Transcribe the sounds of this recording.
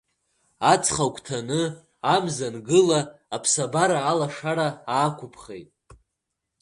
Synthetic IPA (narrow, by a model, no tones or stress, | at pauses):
at͡sʰχakʷʰʼtʰanɨ | amzanɡɨlaːpʰsabaɾaːlaʂaɾaaːkʷʰʊpʰχejtʼ